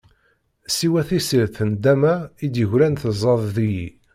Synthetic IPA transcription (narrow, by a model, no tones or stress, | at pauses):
siwæθisiɾθənd̪æmæid̪jəʝɾænθəzˤɑðˤðijḭ